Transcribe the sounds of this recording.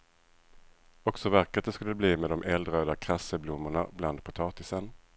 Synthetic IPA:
ɔksɔvæɾkat̪d̪ɛskɵlːəbliːmɛd̪ɔmʔɛld̪ɾøːd̪akʰɾasːəblʊmːʊɳabland̪̚pʰʊt̪ʰɑːt̪ɪsən

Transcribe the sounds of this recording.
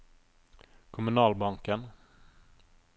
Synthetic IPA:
kʰʊmɵnɑːlbaŋkən

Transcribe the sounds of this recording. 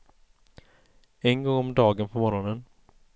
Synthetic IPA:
ɛnɡɔŋːɔmd̪ɑːɡənpʰɔmɔɾɔnən

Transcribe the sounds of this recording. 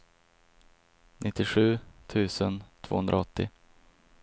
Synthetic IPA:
nʔɪt̪ːɪɧʉ̟ːt̪ʰʉ̟ːsənt̪ʰvo̰ːhɵnd̪ɾa̰ɔt̪ːɪ

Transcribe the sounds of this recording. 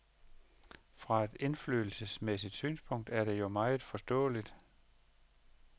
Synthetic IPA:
fʁɑ̈e̝d̥e̝nfly̰ːl̩səsmesid̥syːnspʰɔ̽ŋ̰d̥æɐɾ̥e̝jo̝mɑ̈ɪð̩ˠfɒ̽sd̥ɔ̰̽ːlid̥

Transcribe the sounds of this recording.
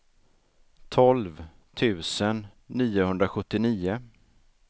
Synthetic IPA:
t̪ʰɔlv | t̪ʰʉ̟ːsənː | iːʊhɵnd̪ɾaɧɵt̪ːɪniːʊ

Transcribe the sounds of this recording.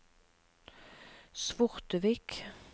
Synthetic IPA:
sʋʊʁt̪əʋiːk

